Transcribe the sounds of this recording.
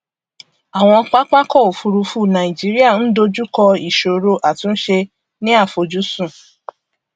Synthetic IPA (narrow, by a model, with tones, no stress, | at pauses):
a˨w̃ɔ̃˧ɔ˧k͡pa˦k͡pa˦kɔ˦˨o˨fu˧ɾu˧fu˦˨nã˨ĩ˨d͡ʒi˨˦ɾi˦a˦˨n̩˦do˧d͡ʒu˦kɔ˧i˨ʃo˨ɾo˧ʔa˨tũ˨˦ʃe˧ | nĩ˦a˦˨fo˧d͡ʒu˦sũ˦˨